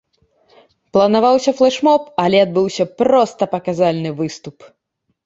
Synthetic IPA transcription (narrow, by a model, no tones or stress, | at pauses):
plˠɐnavawsʲɐflˠɛʂmɔpɐlʲɛad̪̚bɨwsʲɐpɾɔst̪ɐpɐkazalʲnɨvɨst̪up